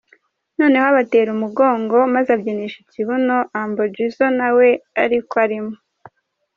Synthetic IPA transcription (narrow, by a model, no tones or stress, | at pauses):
no̞ːne̞hoaβate̞ːɾumuɡo̞ːŋɡo̞mazabɟeniʃiciβuno̞ʔambod͡ʒizonawe̞aɾikoaɾimo